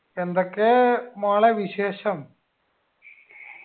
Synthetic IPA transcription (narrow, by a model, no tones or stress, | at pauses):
end̪okːemaːɭɐʋiɕeːɕɐm